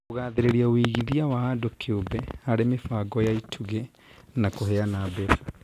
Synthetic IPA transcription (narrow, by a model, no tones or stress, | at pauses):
oɣaːðeɾeɾiawiɣiðiawahadokʰeobɛaɾemefaːɡɔjaitʰuɣe | nakohɛanabɛfḁ